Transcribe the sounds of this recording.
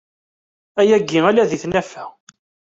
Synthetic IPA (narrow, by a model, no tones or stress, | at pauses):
æjæɡːiælæðiθnæfæ